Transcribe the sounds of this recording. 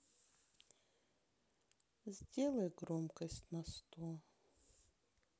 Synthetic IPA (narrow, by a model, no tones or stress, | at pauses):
zʲdʲelˠəjɡɾomkəsʲtʲnɐst̪o